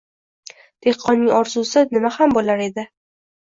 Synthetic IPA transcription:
d̪̥e̞hqʰːɒnːɪŋɒɾzusɪnɪmahambolaɾe̞d̪ɪ

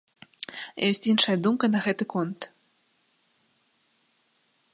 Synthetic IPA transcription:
jɔsʲt͡sʲinʂɐjɐd̪umkɐnɐɣɛt̪ɨkɔnt̪

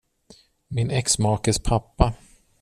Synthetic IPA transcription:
mɪnɛksmɑːkəspʰapːa

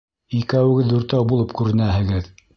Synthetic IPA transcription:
ikæwɘ̆ɡɘðːʉɾt̪æwbulˠɤpkʉɾɘ̆næɦɘ̆ɡɘð

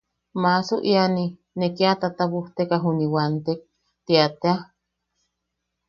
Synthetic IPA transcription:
masuʔiani | nekiat̪at̪aβuht̪ekaɦuniwant̪ek̚ | t̪iat̪ea

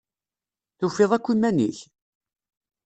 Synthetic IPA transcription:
θufːeðˤækʷːimænḭç

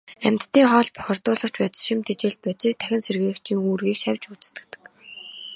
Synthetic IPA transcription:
æmʲt̪t̪ːiːŋχɔːɮpœ̥xʲɪ̆r̥t̪ʊːɮə̆χt͡ɕpæːt͡sə̆ɮʃɪmt̪ʰet͡ɕeːɮt̪̚pæt͡siːk̚t̪ʰæxʲɪ̆nserɣeːkt͡ɕʰiːŋuːrɣiːkʃæwʲt͡ɕut͡s̆t̪ɘ̆t̪ɘ̥̆k

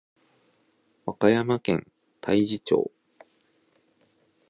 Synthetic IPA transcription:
βakajamakẽ̞̰n | t̪ʰaiʑit͡ɕo̰ː

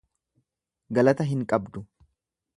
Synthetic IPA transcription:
ɡɐlɐt̪ɐɦɪŋkʼɐbd̪ʊ

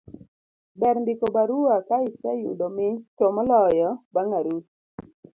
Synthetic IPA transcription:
bɛɾndɪkobaɾuakaɪsajṵdomɪtomɔlɔjɔbaŋaɾut̚

